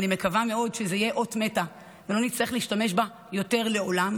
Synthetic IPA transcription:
nime̞kavame̞o̞dʃezeijeʔo̞tme̞ta | velo̞nit͡slaʁiχleiiʃtame̞ʃba | jo̞te̞ʁle̞o̞lam

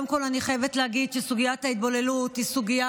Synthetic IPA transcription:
mko̞laniχajevetleaɡid̪ʃesuɡijat̪hait̪̚bo̞le̞lut̪hisuɡija

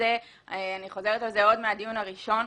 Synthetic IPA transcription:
e | aniχo̞ze̞ʁet̪alzeo̞d̪mead̪ijunaʁiʃo̞n

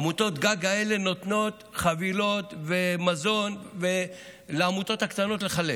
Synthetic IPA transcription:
mut̪o̞t̪ɡaɡaele̞no̞t̪no̞t̪χavilo̞t̪vemazo̞nve | leamut̪o̞t̪hakt̪ano̞t̪le̞χale

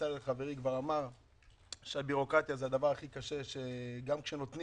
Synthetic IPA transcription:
aleχave̞ʁikvaʁamaʁ | ʃeabiʁo̞kʁat̪jazead̪avaʁaχikaʃe̞ʃe̞ɡamkʃe̞no̞t̪ni

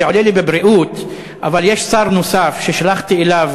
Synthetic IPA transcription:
olilibebʁiʔut | ʔavaljeʃsaʁnosafʃeʃalaχt̪ielav

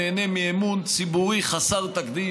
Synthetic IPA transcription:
enemiemunt͡sibuʁiχasaʁt̪akd̪i

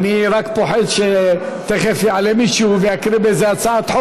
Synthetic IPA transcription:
niʁakpo̞ħed̪ʃe | t̪eχefjeʕalemiːʃuveakɾibezeat͡saʕat̪ħo

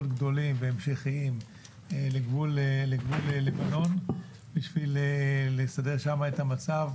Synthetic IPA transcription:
otɡd̪o̞limveemʃeχiim | eleɡvulleɡvuleːevano̞n | biʃvilelesade̞ʁʃamaet̪hamat͡sav

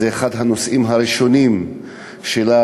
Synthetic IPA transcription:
eːχadɦano̞sʔimɦaɾiʃo̞nim | ʃela

